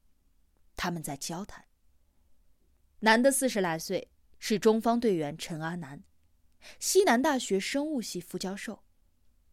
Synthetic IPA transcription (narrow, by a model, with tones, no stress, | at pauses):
t̪ʰa˥mə˨nt͡sa˥˩ɪt͡ɕjɑ˥ʊt̪ʰa˨˥˦n | na˧˥nd̪ə˧sɹ̩˥˩ʂɻ̩˧˥la˧˩ɪswe˥˧ɪ | ʂɻ̩˥˩ʈ͡ʂʊ˥ŋfɑ˥ŋt̪we˥˩ɪɥɛ˧˥nʈ͡ʂʰɤ˧˥ŋa˥na˧˥n | ɕi˥na˧˥nt̪a˥˩ɕɥɛ˧˥ʂɤ˥ŋu˥˧ɕi˥˩fu˥˩t͡ɕjɑ˥ʊʂo˥˩ʊ